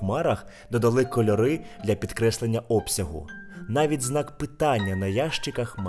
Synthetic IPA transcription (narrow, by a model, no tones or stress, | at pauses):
mɑɾɐx | d̪ɔd̪ɐlˠɪkɔlʲɔɾɪd̪lʲɐpʲid̪kɾɛslˠenʲːɐʔɔpsʲɐɦʊ̰nɑʋʲitʲznɑkpɪt̪ɑnʲːɐnɐjɑʃt͡ʃɪkɐxm